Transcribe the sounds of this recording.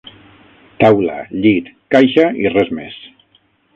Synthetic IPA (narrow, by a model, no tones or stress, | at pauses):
t̪awla̰ʎit̪kajʃairɛzmes